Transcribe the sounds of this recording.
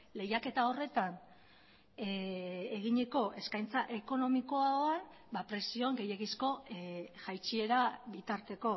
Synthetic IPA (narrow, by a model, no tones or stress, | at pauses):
le̞jake̞t̪ao̞re̞t̪an | eɣiɲeko̞ʔe̞skajnt͡saʔe̞ko̞no̞miko̞aoan | bapɾe̞sio̞ŋɡe̞je̞ɣisko̞ʝajt͡ʃie̞ɾaβit̪aɾt̪e̞ko̞